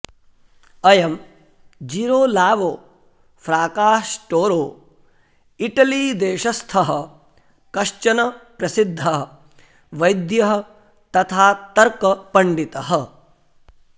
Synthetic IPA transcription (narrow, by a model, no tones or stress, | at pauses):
ɐjɐm | d͡ʒiːɾoːlaːʋoː | fɾaːkaːʂʈoːɾoː | iʈɐliːd̪eːʃɐst̪ʰɐɦɐ | kɐʂt͡ʃɐnɐpɾɐsid̪ʱːɐɦɐ | ʋɐjd̪jɐɦɐ̆ | t̪ɐt̪ʰaːt̪ɐɾkɐpɐɳɖit̪ɐɦɐ